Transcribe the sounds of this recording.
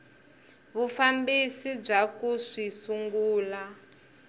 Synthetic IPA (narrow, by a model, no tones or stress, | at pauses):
βufambisib͡ʐakuʂisuŋɡuːla